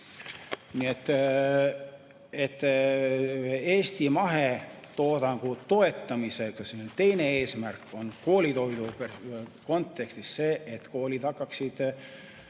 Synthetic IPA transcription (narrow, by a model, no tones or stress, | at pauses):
niet̪ːˑ | et̪ːˑ | eːst̪imɑɦe̞ | t̪o̞ːd̪ɑŋɡ̥ut̪o̞e̞t̪ˑːɑmise̞ɡ̥ɑsenet̪e̞jne̞e̞ːsmærkːˑo̞nko̞ːlit̪o̞jd̪upeko̞nt̪ːˑe̞kst̪isːe̞ːet̪ko̞ːlʲid̪̥ɑkːˑɑksid̪̥